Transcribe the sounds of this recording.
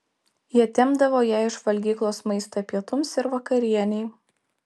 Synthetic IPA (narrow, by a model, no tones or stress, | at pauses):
jiɛt̪ʲɪmbd̪ɐʋoːjæːɪʃʋɐlʲɡʲiːklˠoːsmɐɪst̪opʲiɛt̪ʊmsɪɾʋɐkɐɾʲiɛnʲɛɪ